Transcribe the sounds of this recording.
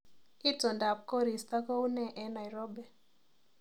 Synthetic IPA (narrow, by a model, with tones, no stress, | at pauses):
i˦tɔ˨nda˨p̚kɔ˦ɾi˨st̪a˦kɔ˦u˦nɛ˨ʔɛ˨na˨jɾɔ˦bɛ˨